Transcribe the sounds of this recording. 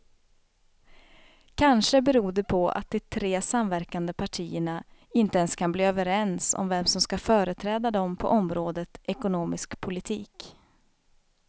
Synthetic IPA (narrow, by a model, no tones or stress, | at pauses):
kʰanʂəbɛɾuːd̪ɛpʰɔa̰t̪̚d̪ɛt̪ʰɾeːsamvæɾkand̪əpʰaʈʰḭːəɳaɪnt̪əɛnskʰanbliːøːvəɾɛnsɔ̰mvɛmsɔmskafœːɾət̪ʰɾɛːd̪ad̪ɔmpʰɔ̰ʔɔmɾoːd̪ət̪ʔɛkʊnoːmɪskpʰʊlɪt̪ʰiːk